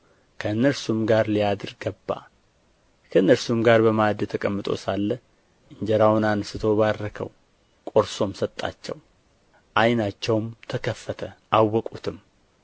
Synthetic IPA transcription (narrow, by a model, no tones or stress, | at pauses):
kʰəɨnːəɾsumɡaɾlijad̪ɨɾɡəbːa̰ | kʰəɨnːəɾsumɡaɾbəmad̪t̪ʰəkʼəmːɨt̪ʼo̞̰salːə | ʔɨɲd͡ʒɛɾawnansɨt̪ʰo̞βarːəkʰə̰w | kʼo̞ɾso̞msət̪ʼːa̰t͡ʃːɛ̰w | ʔajnat͡ʃːɛwmt̪ʰəkʰəfːət̪ʰəʔawːɔkʼut̪ʰɨm